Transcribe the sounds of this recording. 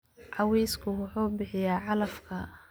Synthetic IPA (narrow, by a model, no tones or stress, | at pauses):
ʕɑwɛjskʰʊwɑħuːbɪħɪjaːʕɑlɐfkʰɐ